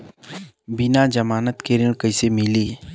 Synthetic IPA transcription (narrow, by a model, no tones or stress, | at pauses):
bɪnad͡ʒɐmaːnət̪keɾɪɽ̃kɐɪsemɪliː